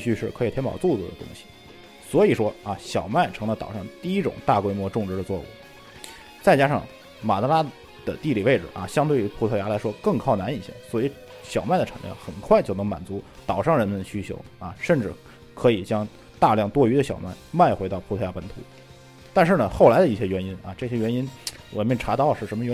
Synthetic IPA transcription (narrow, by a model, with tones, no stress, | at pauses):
ɕy˥˧ʂɻ̩˥˩kʰɤ˧˥i˨˩t̪ʰjɛ˥mpɑ̰˨˩ʊt͡su˥˩t͡su˨˩d̪ə̰˩t̪ʊ̰˥ŋɕi̥˨ | swɔ˧˥i˨˩ʂwɔ˥ɐ˧ɕjɑ˨˩ʊma˥˩ɪʈ͡ʂʰɤ˧˥ŋlə˧t̪ɑ˨˩ʊʂɑ˥˧ŋt̪i˥˩i˧˥ʈ͡ʂʊ̰˨˩ŋt̪a˥˩kwe˥ɪmwɔ˥˧ʈ͡ʂʊ˥˧ŋʈ͡ʂɻ̩˧˥d̪ə˧t͡swɔ˥˩ṵ˨˩˦ | t͡sa˥˩ɪt͡ɕja˥ʂɑ˥˩ŋ | ma˨˩t̪a˧˥la˥ | d̪̥ə̰˨t̪i˥˩˧li˨˩ʋe˥˩ɪʈ͡ʂ̩˨˩ʔɐ̰˧˩ɕjɑ˥ŋt̪̬we˥˩ɪy˧˥pʰu˥t̪ʰɤ˥˩ja˧˥la˧˥ɪʂwɔ˥kɤ˥˧ŋkʰɑ˥˩ʊna˧˥ni˨˩ɕjɛ̰˥˩ŋswɔ˧˥i˧˥ | ɕjɑ˨˩ʊma˥˩ɪd̪ə˩ʈ͡ʂʰa̰˨˧˥ŋljɑ̰˥˩ŋxə˨˩nkʰwa˥˩ɪt͡ɕjo˥˩ʊnɤ˧˥ŋma˨˩nt͡su˧˥t̪ɑ˨˩ʊʂɑ˥˩ŋɻə˧˥nmə˧nd̪ə˩ɕy˥t͡ɕʰjo̰˧˥ʊɐ˧ʂə˥˧nʈ͡ʂɻ̩˥˩ | kʰɤ˧˥i˨˩t͡ɕjɑ˥ŋ | t̪a˥˧ljɑ˥˩ŋt̪wɔ˥y˧˥d̪ə˧ɕjɑ̰˨˩ʊma̰˥˩ɪma˥˩ɪxwe˧˥ɪɑ˥˩ʊpʰu˧˥tʰja˥pə˧˥nt̪ʰṵ˧˥ | t̪a˥˧nʂ̬ɻ̩˥˩nə˩xo˥˩ʊla˧˥ɪd̪ə˧i˥˩ɕjɛ˥ɥɛ˧˥ni˥nɐ˧ʈ͡ʂɤ˥˩ɕjɛ˥ɥɛ˧˥ni˥nwa̰˨˩˥nmɛ˥˩nʈ͡ʂʰa˧˥t̪ɑ˥˧ʊʂɻ̩˥˩ʂə˧˥mə˧ɥ